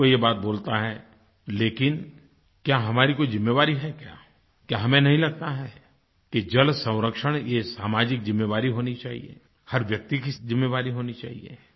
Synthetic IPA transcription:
ojebaːt̪̚boːlt̪aɦɛ | leːkɪn | kjaːɦɐmaːɾikoizɪmːeʋaːɾiɦɛkja̰ː | kjaːɦɐmẽnɐɦĩlɐɡ̚t̪aɦɛː | ked͡ʒɐlsɐ̃w̃ɾəkʃəɽ̃jesaːmaːd͡ʒɪk̚zɪmːeʋaːɾiɦoːnit͡ʃaːɦḭḛ | hɐɾʋjɐk̚t̪ikizɪmːeʋaːɾiɦoːnit͡ʃa̰ːɦḭḛ

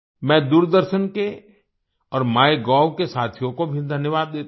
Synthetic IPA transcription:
mɛ̃ːd̪uːɾd̪əɾʃənke | ɔːɾmaːeɡɔːʋkesaːt̪ʰjõkobʱid̪ʱɐnjəʋaːd̪ːeːt̪

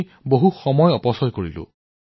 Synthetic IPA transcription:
boɦuxɔmɔjɔpɔsɔjkoɹilʊ̰

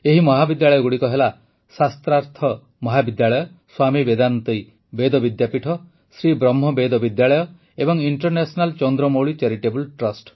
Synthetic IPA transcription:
eɦimɔɦabid̪jaɭɔjɔɡuɽikɔɦela | sast̪ɾaɾt̪ʰɔ | mɔɦabid̪jaɭɔjɔ | swamibed̪anɔnt̪ɔj | bed̪ɔbid̪japiʈʰɔ | sɾibɾɔmɦɔbed̪ɔbid̪jaɭɔjɔ | ebɔŋiɳʈɔɾnesɔnalt͡ʃɔnd̪ɾɔmowɭit͡ʃeɾiʈebulʈɾɔsʈ

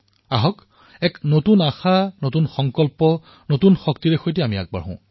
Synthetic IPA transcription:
aɦɔk | ɛknotunaxanotunxɔŋkɔlpɔ | notunxɔk̚tiɹexojtɛamia̰k̚ba̰ɹɦɔ̰̃

